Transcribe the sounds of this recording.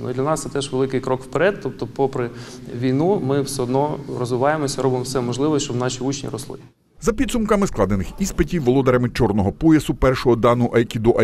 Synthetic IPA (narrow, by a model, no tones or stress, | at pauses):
nṵd̪lʲɐnɑssɛt̪ɛʒʋelˠɪkɪjkɾɔkwpeɾɛd̪̚t̪ɔp̚t̪ɔpɔpɾɪʋʲijnumɪwsɛɔd̪nɔrɔzʋɪʋɑjemɔsʲɐɾɔbɪmɔwsɛmɔʒlˠɪʋɔʃt͡ʃɔwnɑʃʲiut͡ʃnʲḭɾɔslˠɪ̰ | zɐpʲid̪sʊmkɐmɪsklˠɑd̪enɪxispetʲiwʋɔlˠɔd̪ɐɾɐmɪt͡ʃɔrnɔɦɔpujɐsʊpɛrʃɔɦɔd̪ɑnʊʔɐjkʲid̪ɔʔɐ